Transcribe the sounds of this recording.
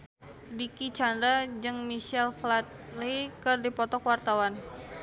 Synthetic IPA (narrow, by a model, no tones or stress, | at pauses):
dikit͡ʃand̪ɾad͡ʒɨŋmiʃɛlflat̪̚likɨrdipɔt̪ɔkwart̪awan